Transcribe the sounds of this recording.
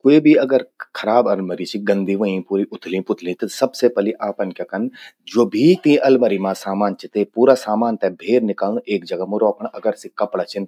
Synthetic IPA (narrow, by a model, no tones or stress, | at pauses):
koibʱiɐɡəɾkʰɐɾaːbɐlmɐɾit͡ʃʰiɡɐ̃nd̪ʱiʋɐĩpuːɾiʔʊt̪ʰlĩpʊt̪ʰlĩt̪ɐsɐbsepɐliʔaːpɐnkakɐnd͡ʒoːbʱit̪iĩʔɐlmɐɾimãsaːmaːnt͡ʃʰit̪epuːɾasaːmaːnt̪ɛbʱeːɾnɪkaːlũʔeːkd͡ʒɐɡamẽɾɔːkəɳ̃ɐɡəɾsikɐpɽat͡ʃʰɪn